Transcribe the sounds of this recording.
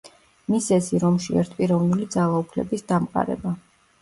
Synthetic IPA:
misɛsiɾɔmʃiɛ̰ɾt̪̚ʰpʼiɾɛvnulid̪zalˠaupʰlɛ̰bisd̪amqʼa̰ɾɛ̰ba

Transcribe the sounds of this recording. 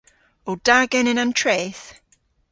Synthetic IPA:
owd̥aɡɛnɪnantʰɹeːθ

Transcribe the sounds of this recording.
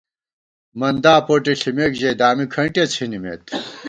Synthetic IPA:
mɐnd̪aːpoʈiɬimekʑɐjd̪aːmikʰɐɳʈet͡sʰinimḛt̪

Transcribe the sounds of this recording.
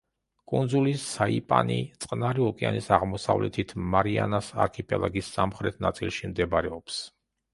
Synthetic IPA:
kʼund̪zulisːaipʼanit̪sʼqʼnaɾiɔkʼia̰nisaʁmɔsavlɛt̪ʰit̪ʰmaɾianasa̰ɾkʰipʼɛlˠʔaɡisːamχɾɛt̪ʰnat̪sʼilˠʃimd̪ɛbaɾɛɔps

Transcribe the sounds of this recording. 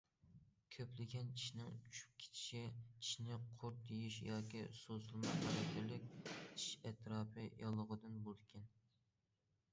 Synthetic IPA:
kʲʰøplɪɡʲɛnt͡ʃʰiʃnɪŋt͡ʃʰyʃʰy̥p̚kʲʰe̥t͡ʃʰi̥ʃit͡ʃʰi̥ʃnɪqʰoɾt̪ʰijiʃjɑːkʲisosɨlˠmɑqɑɾɛt̪ʲʰɪlɪkʲiʃɛt̪ʰɾɑːpʰɨjɑlˠəʁəd̪ɨnbold̪kʲʰɛn

